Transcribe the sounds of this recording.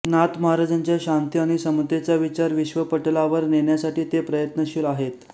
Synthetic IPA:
nat̪məɦaɾad͡ʑaɲt͡ɕjaɕant̪iaɽ̃isəmt̪et͡ɕaʋit͡ɕaɾʋiɕʋəpəʈlaʋəɾneɳjasaʈiːt̪epɾəjət̪nəɕilaɦet̪

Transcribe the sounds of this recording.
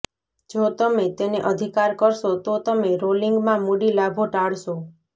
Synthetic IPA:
d͡ʒot̪əmet̪eneʔəd̪ʱikaɾkəɾʃot̪ot̪əmeɾoliŋɡmãmuɽilabʱoʈaɭʃo

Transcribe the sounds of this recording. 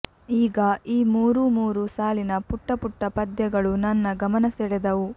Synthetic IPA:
iːɡɐiːmuːɾumuːɾusaːlinɐpuʈːɐpuʈːɐpɐd̪jɐɡɐɭunɐnːɐɡɐmɐnɐsɛɽɛd̪ɐʋu

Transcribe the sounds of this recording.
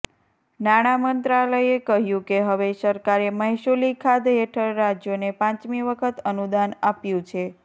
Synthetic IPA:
naɽ̃amənt̪ɾaləjekəɦjũkeɦəʋesəɾkaɾeməɦiʃolikʰad̪ɦeʈʰəɾːad͡ʒjonepãt͡ʃmiʋəkʰət̪ənud̪anapjũt͡ʃʰe

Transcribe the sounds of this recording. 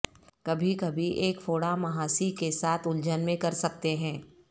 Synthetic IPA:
kɐbʱikɐbʱiʔeːkfoːɽamɐɦaːsikesaːt̪ʰʊld͡ʒənmẽkɐɾsɐk̚t̪eɦɛ̃ː

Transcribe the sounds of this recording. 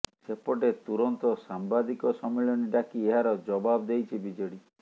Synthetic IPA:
sepɔʈet̪uɾɔnt̪ɔsambad̪ikɔsɔmeɭɔniɖakieɦaɾɔd͡ʒɔbabd̪ejt͡ʃʰibid͡ʒɔɽi

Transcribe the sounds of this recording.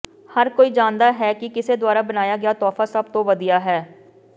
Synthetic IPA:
həɾkoːiːd͡ʒaːnd̪aːɦɛːkɪkɪseːd̪waːɾaːbənaːjaːɡɪaːt̪ɔːfaːsəb̚t̪õːʋəd̪ijaːɦɛː

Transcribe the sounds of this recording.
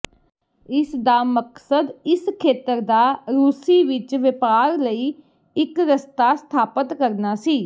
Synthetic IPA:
ɪsd̪aːməksəd̪ɪskʰeːt̪əɾd̪aːɾuːsiːʋɪt͡ʃʋɪpaːɾləiː | ɪkɾəst̪aːst̪ʰaːpət̪kəɾnaːsiː

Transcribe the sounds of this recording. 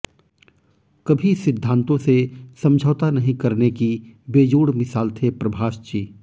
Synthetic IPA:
kɐbʱisɪd̪ʱːãːnt̪õsesɐ̃md͡ʒʱəːt̪anɐɦĩkɐɾnekibeːd͡ʒuːɽmɪsaːlt̪ʰepɾɐbʱaːʃt͡ʃiː

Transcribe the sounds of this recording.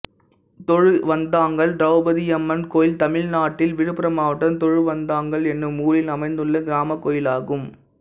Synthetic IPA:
t̪ɔɻɯʋɐnd̪aːŋɡɐɭɖɾɐʊbɐðɪɛmːɐnkoːjɪlt̪ɐmɪlnaːʈːɪlʋɪɻɯpːɪɾɐmaːʋɐʈːɐnt̪ɔɻɯʋɐnd̪aːŋɡɐɭɛnːɯmuːlɪlɐmɐɪnd̪ɯɭːɐɡɪɾaːmɐkːoːjɪlaːɣɯm

